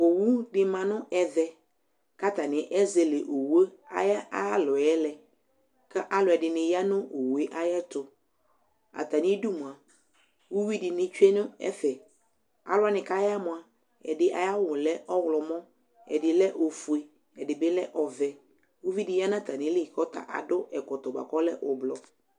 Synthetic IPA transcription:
o˨wu˦dɪ˨mã˨nʊ̃˦ʔɛ˨ðɛ˨ | ka˦ta˨nɪ̃˨˦ʔɛ˦ze˨le˨ʔo˨we˦a̰˦ja˦a˦lɔ˨ɛ˦lɛ˨ | ka˦ʔa˦lʊ˨ɛ˨dɪ˨nɪ̃˨ja˦nʊ̃˦ʔo˨wu˨e˦ʔa˦jɛ˦tʊ˨ | a̰˨ta˨nɪ̃˦du˦mʊ̃˨a˨ | wu˦wi˦dɪ˨nɪ̃˦t͡ʃᶣɛ˦nʊ̃˦ɛ̰˦fɛ˨ | a̰˨lʊ˦a˦nɪ̃˨ka˦ja˦mʊ̃˨a˨ | ɛ̰˨dɪ˦ʔa̰˨ja˦wʊ˨lɛ˦ʔɔ˦wlɔ˨mɔ̃˦ | ɛ̰˨dɪ˨lɛ˦ʔo˨fu˨e˨ | ɛ˨dɪ˨bɪ˦lɛ̰˦ʔɔ˨vɛ˨ | wu˦vi˦dɪ˨˦ja˦nã˦t̪a˨nɪ̃˦lɪ˦˨kɔ˦ta̰˨ʔa̰˨dʊ˦ʔɛ˨kɔ˨t̪ɔ˨ba̰˨kɔ˦lɛ̰˦ʔʊ˨blɔ˨

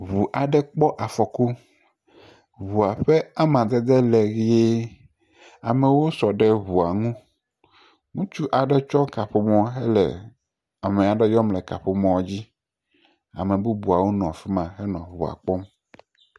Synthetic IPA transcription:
βu˨ʔa˨ɖɛ˦k͡pɔ˦ʔa˨fɔ˨ko˦ | βu˨a˨ɸɛ˦a˦mã˨d̪ɛ˦d̪e˦lɛ˨ɣi˦je˦ | a˨mɛ˨wo˦sɔ˨ɖɛ˦βu˨a˨ŋũ˦ | ŋũ˦t͡ʃu˦ʔa˨ɖɛ˦t͡ʃɔ˦ka˨ɸe˦mɔ̃˦ɦɛ˦lɛ̰˨ | a˨mɛ̃˨a˨ɖɛ˦jɔ˦mlɛ˨ka̰˨ɸe˦mɔ̃˦wd͡ʑi˦ | a̰˨mẽ˨bu˦bu˨a˨wo˦nɔ̃˨fi˦mã˨ɦɛ˦nɔ̃˨βu˨a̰˨k͡pɔ˦m

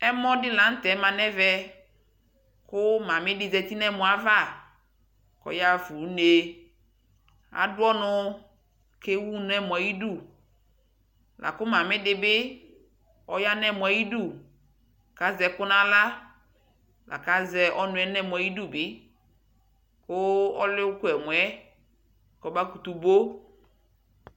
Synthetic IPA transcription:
ɛ˦mɔ̃˦dɪ˦la˨˦n̩˦t̪ɛ˨˦mã˨nɛ˦vɛ˦ | kʊ˦mã˨mɪ̃˦dɪ˨zɛ˨t̪i˦nɛ̃˦mɔ̃˨a˨˦va˦˨ | kɔ̰˨ja˦fu˨˦ne˨ | a̰˨dʊ˦ɔ˦nʊ̃˦ | ke˦wu˦n˨˦ɛ˦mɔ˨a˨ji˦du˦˨ | lʔa̰˨kʊ˦mã˨mɪ̃˦dɪ˨bɪ˦ | ɔ˦ja˦nɛ˦˨mʊ˨a˨ji˦du˦˨ | ka˦zɛ˨kʊ˦nã˦la˦ | lʔa̰˨ka˦zɛ˨ʔɔ˦nʊ̃˨˦ɛ˦nɛ˦˨mʊ˨a˨ji˦du˦˨bɪ˦ | kʊ˦ɔ˦lɪ˦ʊ˦kʊ˦ɛ˨mʊ˨ɛ˦˨ | kɔ˨ba˦ku˨t̪u˨bo˦

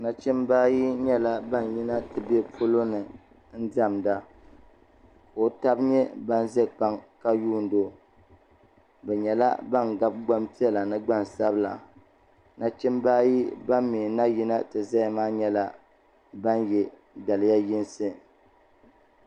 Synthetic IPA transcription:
na˨t͡ʃɛ˦mbaː˦ji˦ɲɛ˦la˦ba˦n˨ji˦na˦tɨ˨bɛ˦pʰo˦lo˦nɨ˨ | n̩˦da˦˨mda˦ | ko˨ta˦bɲɛ˦ba˦nzɛ˦k͡pa˦ŋka˦juː˦n̩˨do˦ | bɛ˨ɲɛ˨la̰˦ba˦ŋɡa˦b̚ɡ͡ba˦mpi˦ɛ˦la˨nɨ˦ɡ͡ba˦˨n˨sa˦bla̰˨ | na˨t͡ʃɛ˦mbaː˦ji˦ba˦mmi˨na˦ji˦na˦tɨ˨za˦˨maː˦ɲɛ˦la˦ | ba˦njɛ˨ | da˨lɨ˨˦ja˦ji˦nsɨ˦

